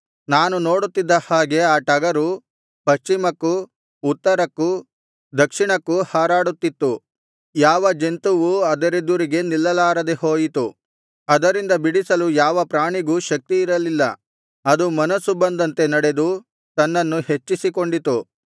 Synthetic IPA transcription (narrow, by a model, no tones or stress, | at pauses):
naːnunoːɽut̪ːid̪ːɐhaːɡe̞aːʈɐɡɐɾu | pɐʃt͡ʃimɐkːuː | t̪ːɐɾɐkːu | d̪ɐkʂiɳɐkːuhaːɾaːɽut̪ːit̪ːu | jaːʋɐd͡ʒent̪uʋuɐd̪ɐɾed̪uɾiɡe̞nilːɐlaːɾɐd̪eho̞ːjit̪u | ɐd̪ɐɾind̪ɐbiɽisɐlujaːʋɐpɾaːɳiɡuʃɐk̚t̪iːɾɐlilːɐ̰ | ɐd̪umɐnɐsubɐnd̪ɐnt̪e̞nɐɽe̞d̪u | t̪ɐnːɐnːuhe̞t͡ʃːisiko̞ɳɖit̪u